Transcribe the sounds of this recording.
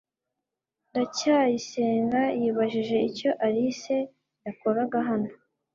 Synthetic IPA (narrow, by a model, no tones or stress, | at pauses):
ndacajise̞ːŋɡajiːβaʒiʒe̞ico̞ʔaɾise̞ | jakoɾaɡaɦano